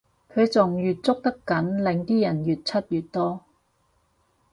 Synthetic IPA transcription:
kʰɵ˨˧ɥt͡sʊ˨ŋjyː˨t̚t͡sʊ˥k̚t̪ɐ˥kɐ˨˥nlɪ˨˧ŋt̪iː˥jɐ˨˩njyː˨t̚t͡sʰɐ˥t̚jy˨t̚t̪ɔː˥

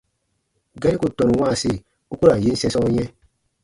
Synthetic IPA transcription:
ɡa˦ɾi˦ku˦˨tɔ̃˨nũ˨w̃ãː˦˨se˦˨ | u˦ku˦ɾa˨je˨˦n̩˦sɛ̃˧sɔ˦jɛ̃˦

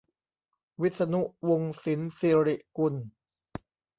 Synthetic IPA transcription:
wi˦˥t̪̚sa˧nu˦˥ʔwo˧ŋsi˩˦nsi˧ɾi˨˩ʔku˧n

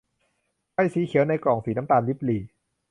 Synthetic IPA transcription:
kʰa˥˩jsiː˨˦xʰi˨˩˦əwna˧jkɔː˨˩ŋsiː˩˦na˦˥mt̪aː˧nli˦˥p̚liː˨˩

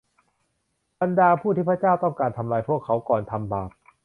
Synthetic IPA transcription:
ba˧ndaː˧pʰuː˥˩t̪ʰiː˥˩pʰt͡ɕaː˥˩wt̪ɔ˥˩ŋkaː˧nt̪ʰa˧mlaː˧jpʰu˥˩əkʰːa˦˥wkɔː˨˩nt̪ʰa˧mbaː˨˩p̚

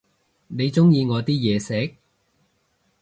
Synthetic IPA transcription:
ne˨˧jt͡sʊ˥ŋjiː˧ŋɔː˨˧t̪iː˥jɛː˨˧sɛː˨˥k̚

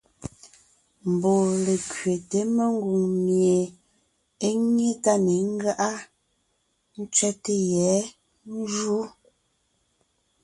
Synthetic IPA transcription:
m̩˨bo˨le˨kɥe˨te˨˦me˦˨ŋ˦ɡu˨ŋmje˨ | e˦ŋe˦ta˦ne˨ŋ̩˦ɡa˦ʔa˦ | n̩˦t͡ʃɥɛ˦te˦jɛ˨˦ | n̩˦ʒu˦

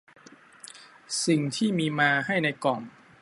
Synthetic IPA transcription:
si˨˩ŋt̪ʰiː˥˩miː˧maː˧ɦa˥˩jna˧jkɔː˨˩n

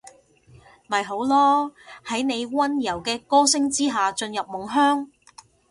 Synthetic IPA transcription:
mɐ˨˩jɦo˨˥wlɔː˥hɐ˨˥jne˨˧jwɐ˥njɐ˨˩wkɛː˧kɔː˥sɪ˥ŋt͡siː˥ɦaː˨t͡ʃɵ˧njɐ˨p̚mʊ˨˩ŋɦœː˥ŋ

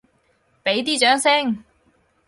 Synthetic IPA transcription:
pe˨˥jt̪̬iː˥t͡ʃœː˨˥ŋsɪ˥ŋ

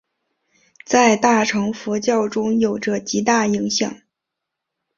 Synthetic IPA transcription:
t͡sa˥˧ɪt̪a˥˩ʈ͡ʂʰɤ˧˥ŋfu˧˥t͡ɕjɑ˥˩ʊʈ͡ʂʊ˥ŋjo˨˩ʊʈ͡ʂə˧t͡ɕi˧˥t̪a˥˩i˧˥ŋɕjɑ̰˨˩˦ŋ

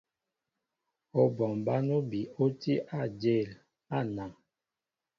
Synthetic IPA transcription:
o˨bɔ˨mba˦no˦bi˨o˦ti˦ʔa˦˨d͡ʒe˦˨l | a˦˨na˨ŋ

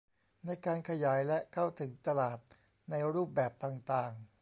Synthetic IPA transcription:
na˧jkaː˧nkʰa˧jaː˩˦jlɛ˦˥kʰa˥˩wt̪ʰɯ˩˦ŋt̪a˧laː˨˩t̪̚ | na˧jɾuː˥˩p̚bɛː˨˩p̚t̪aː˨˩ŋt̪aː˨˩ŋ

